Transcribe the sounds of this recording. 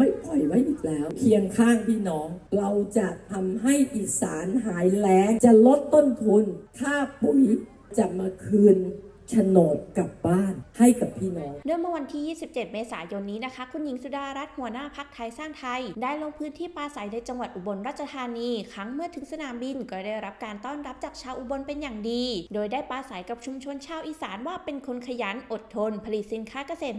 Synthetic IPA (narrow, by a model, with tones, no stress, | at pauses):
ma˥˩jkʰɔ˨˩jwa˦˥˩jʔi˨˩k̚lɛː˦˥wpʰi˧əŋkʰaː˥˩ŋpʰiː˥˩nɔː˩˦ŋɾa˧wt͡ɕa˨˩t̪ʰa˧mɦa˥˩jʔiː˨˩saː˩˦nɦaː˩˦jlɛː˦˥ŋt͡ɕa˨˩lo˦˥˩t̪t̪o˥˩nt̪ʰu˧nt̪ʰaː˥˩pu˨˩˦j | t͡ɕa˨˩maː˧kʰɯː˧n | t͡ɕʰa˧noː˨˩p̚ka˨˩p̚baː˥˩nha˥˩jka˨˩p̚t̪ʰiː˥˩maː˦nɯ˥˩mɯ˥˩˨wa˧nt̪ʰiː˥˩jiː˥˩si˨˩p̚t͡ɕe˨˩t̪̚meː˧sa̰ː˩˦jo˧nːiː˦˥na˦˥kʰa˦˥kʰu˧nji˨˦ŋsu˧˥daː˧ɾa˦˥t̪̚hu˩˦ənaː˥˩pʰa˦˥k̚t̪ʰa˧jsaː˥˩ŋt̪ʰa˧jdaː˥˩jloː˧ŋpʰɯː˦˥nt̪ʰiː˥˩paː˧sa˨˩˦jna˧jt͡ɕa˧ŋwa˨˩t̪̚ʔu˨˩bo˧nɾaː˥˩t̪̚t͡ɕʰa˧t̪ʰaː˧niː˧kʰa˦˥ŋmɯ˥˩ɐt̪ʰɯ˩˦ŋsa˧naː˩˦mbi˧nkɔː˥˩daː˥˩jɾa˦˥p̚kaː˧nt̪ɔː˥˩nɾa˦˥p̚t͡ɕaː˨˩k̚t͡ɕʰaː˧wʔu˨˩bo˧npe˧njaː˨˩ŋdiː˧doː˧jdaː˥˩jpaː˧sa˩˦jka˨˩p̚t͡ɕʰu˧mt͡ɕʰo˧nt͡ɕʰaː˧wʔiː˨˩saː˩˦nwaː˥˩pe˧nkʰo˧nkʰa˧jaː˩˦˥nʔo˨˩t̪ʰːo˧npʰa˧li˨˩t̪̚si˨˦nkʰaː˦˥ka˧seː˨˩